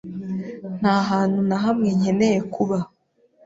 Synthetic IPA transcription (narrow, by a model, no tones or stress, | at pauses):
n̥haːɦaːn̥hunaɦamŋe̞ɲe̞ne̞je̞kʰuβa